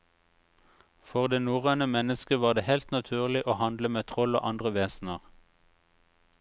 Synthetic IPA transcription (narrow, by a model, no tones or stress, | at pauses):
fɔʁd̪eːnuːʁenəmɛnəskəʋɑːʁd̪eːhɛlt̪nɑt̪ʰʉːʁlɪʔoːhɑnd̪ləmeːt̪ʰʁɔlo̰ːʔɑnd̪ʁəʋeːsn̩əʁ